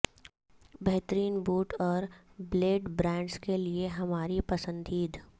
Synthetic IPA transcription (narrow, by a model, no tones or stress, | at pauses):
bɛɦt̪əɾiːnbuːʈɔːɾbleːɖbɾɛ̃ːɳɖskelieɦɐmaːɾipɐsə̃nd̪ʱiːd̪ʱ